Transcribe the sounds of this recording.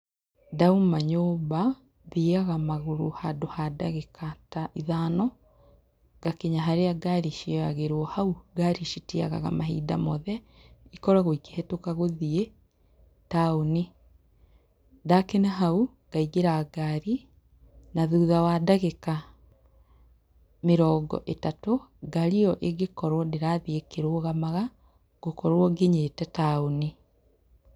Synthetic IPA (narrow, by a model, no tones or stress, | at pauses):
daumaɲoːba | ðiɣaɣamaɣoɾohadohadaɣekataiðanɔ | ɡakeɲaɦaɾeaɡaɾiʃiɔaɣeɾwɔhauɡaɾiʃitia̰ɣa̰ɣa̰maɦidamɔðɛ | ikɔɾaɣoike̥hɛtokaɣoðie | taoni | dakenaɦau | ɣ̥aiɣeɾaɡaɾi | naðuðawaːdaɣeka | meɾɔːɡɔ̰ʔetatoɡaɾiɔʔeɡekɔɾwɔneɾaðiekeɾoɔɣamaɣa | ɡ̥okɔɾwɔɡeɲetɛtaoni